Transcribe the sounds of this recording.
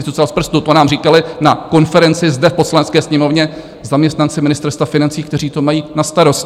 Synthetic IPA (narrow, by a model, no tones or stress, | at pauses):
ɪt̪ut͡salspr̩st̪ut̪onaːmriːkalɪnako̞nfɛɾɛnt͡sɪzdɛfpo̞slanɛtt͡skɛːsɲɛmo̞vɲɛ | zamɲɛst̪nant͡sɪmɪnɪst̪ɛɾst̪vafɪnant͡siːkt̪ɛr̝iːt̪o̞majiːnast̪aɾo̞s